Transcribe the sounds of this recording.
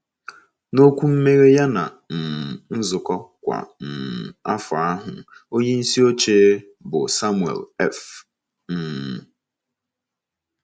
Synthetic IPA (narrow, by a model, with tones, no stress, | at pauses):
no˦kʷu˦m̩˦me˦ɾe˦ja˦na̰˨ | n̩˨n̩˦zʊ˨kɔ˦kʷa̰˨n̩˨a˦fʊ˨a˦ɦʊ˨o˦ɲe˦n̩˦si˦o˦t͡ʃeː˦ | bʊ˨sa˦mu˨ḛ˨lɛ˦f | n̩˨